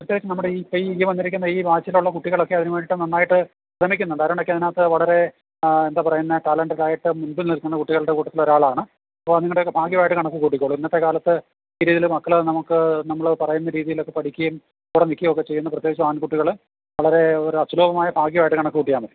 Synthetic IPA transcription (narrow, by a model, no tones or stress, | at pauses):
prɐt̪jeɡit͡ɕːɐmnɐmːuɽeiːpejijɐmʋɐnːiɾik̬ʲːunːɐiːʋaːt͡ɕːɐiluɭːɐkuʈːiɣɐɭo̞kːe̞ɐðinuʋeːɳɖiʈːɨnɐnːaːjiʈːɨ | ɾɐmikʲːunːuɳɖaɐɾaɳokːeɐðinaːt̪ːɨʋɐɭɐɾe̞ | end̪aːpɐrɐjunːɐʈalɐɳɖilaːjiʈːɨmunbɨnnilkunːɐkuʈːiɣɐɭɨɽe̞kuːʈːɐt̪ːilo̞ɾaːɭaːɳɨ | ɐpːoːniŋːɐɽeokːebʱaːkjiʋaːjiʈːɨkɐɳɐkːɨkuːʈːikʲːoːɭuminːɐt̪ːe̞kaːlɐt̪ːɨ | iːɾiːðilmɐkːɐɭnɐmukːɨnɐmːɐɭpɐrɐjunːɐɾiːðijilo̞kːe̞pɐʈikʲːɐjum | kuːɽenikʲːijmokːe̞t͡ɕe̞jːunːɐprɐt̪jeɡit͡ɕːɐmaːnkuʈːiɣɐɭ | ʋɐɭɐɾe̞oɾuɐsuloːbɐmaːjɐbʱaːkiʋaːiʈːɨkɐɳɐkːɨkuːʈːijaːmɐðe